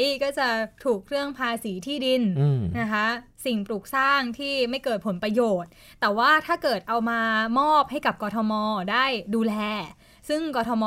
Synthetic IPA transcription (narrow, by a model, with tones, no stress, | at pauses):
kɔː˥˩t͡ɕa˨˩t̪ʰuː˨˩k̚ɾɯ˥˩əŋpʰaː˧siː˩˦t̪ʰiː˥˩di˧nna˦˥kʰa˦˥si˨˩ŋpɾuː˨˩k̚saː˥˩ŋt̪ʰiː˥˩ma˥˩jkɤː˨˩t̪̚pʰo˩˦npɾa˧joː˨˩t̪̚ːɛː˨˩waː˥˩t̪ʰaː˥˩kɤː˨˩t̪̚ʔa˧wmaː˧mɔː˥˩p̚ha˥˩jka˨˩p̚kɔː˧t̪ʰɔ˧mɔː˧daː˥˩jduː˧lɛː˧ | sɯ˥˩ŋkɔː˧t̪ʰɔ˧mɔː˧